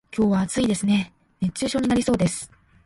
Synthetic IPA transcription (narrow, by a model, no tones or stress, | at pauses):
kʲo̞ːβaːt͡sɨid̪e̞sɨne̞ | ne̞t͡ɕɨːɕo̞ːɲ̟inaɾʲisoːd̪e̞sɨ̥